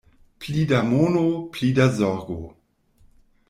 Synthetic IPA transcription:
plidamonoplidazɔʁɡo̰

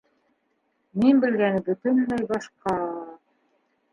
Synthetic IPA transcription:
minbɘ̆lɡænbɵ̆t̪ɘnːæjbɑʃqɑ

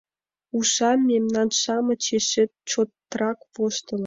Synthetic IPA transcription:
uʃɑmːemnɑnʃɑmɤ̆t͡ɕeʃĕt̪̚t͡ɕot̪ːrɑkβoʃt̪ə̆l

